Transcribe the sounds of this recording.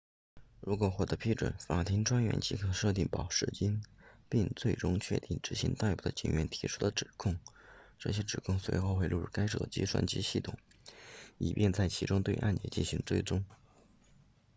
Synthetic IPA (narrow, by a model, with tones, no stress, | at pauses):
ɻu˧˥kwɔ˨˩xwɔ˥˩d̪ɤ˧˥pʰi˥ʈ͡ʂwə̰˧˩nfa˨˩t̪ʰi˧˥ŋʈ͡ʂwa˥nɥɛ̰˧˥nt͡ɕi˧˥kʰɤ˨˩ʂɤ˥˧t̪̬i˥˩ŋpɑ˨˩ʊʂɻ̩˥˩t͡ɕi˥npi˥˧ŋt͡swe˥˩ɪʈ͡ʂʊ˥ŋt͡ɕʰɥɛ˥˧t̪i˥˩ŋʈ͡ʂɻ̩˧˥ɕḭ˧˥ŋt̪a˥˧ɪpu˥˩d̪ə̰˨˩t͡ɕi˨˩ŋɥɛ˧˥nt̪ʰi˧˥ʈ͡ʂʰu̥˥d̪ə˨ʈ͡ʂɻ̩˨˩kʰʊ˥˩ŋʈ͡ʂɤ˥˩ɕjɛ˥ʈ͡ʂɻ̩˨˩kʰʊ˥˩ŋswe˧˥ɪxo˥˧ʊxwe˥˧ɪlu˥˧ɻu˥˩ka˥ɪʈ͡ʂɤ̰˨˩t͡ɕḭ˥ʂʰwa̰˥nt͡ɕi˥ɕi˥˩t̪ʰʊ̰˨˩˦ŋ | ḭ˨˩pjʔɛ˥˧nt͡sa˥˩ɪt͡ɕʰi˧˥ʈ͡ʂʊ˥ŋt̪we˥˧ɪʔa̰˥˧nt͡ɕjɛ̰˥˩t͡ɕḭ˥˩nɕi˧˥ŋt͡swe˥˩ɪʈ͡ʂʊ˥ŋ